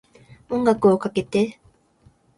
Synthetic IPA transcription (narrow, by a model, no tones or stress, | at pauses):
uŋɡakoːkakit̪ːe